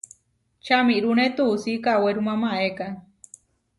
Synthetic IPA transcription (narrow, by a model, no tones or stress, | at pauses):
t͡ʃamiɾunet̪usikaweɾumãmaeka